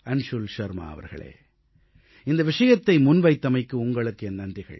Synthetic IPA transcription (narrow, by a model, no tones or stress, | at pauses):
ɐnʂʊlʂɐɾma̰ːɐ̰ʋɐ̰ɾɣɐ̰ɭḛː | ɪnd̪ɐʋɪʂɐjɐt̪ːɐɪmʊnʋɐɪt̪ːɐmɐɪkːɯʊŋɡɐɭɯkːɯɛnːɐndrɪɣɐ̰ɭ